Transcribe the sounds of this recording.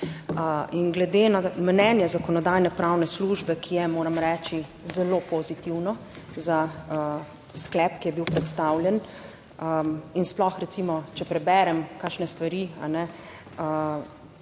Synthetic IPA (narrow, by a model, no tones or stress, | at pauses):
inɡlɛd̪enamnɛːnjɛzakɔnɔd̪ajnɛpɾawnɛsluʒbɛkʰijɛmoːɾamɾɛːt͡ʃi | zɛloːpɔzit̪iwnɔ | za | sklɛpkijɛbiwpɾɛt̪st̪awljɛn | insplɔxɾɛtsimɔt͡ʃɛpɾɛbɛɾɛmkakʃnɛst̪ʋaɾia̰nɛ | ə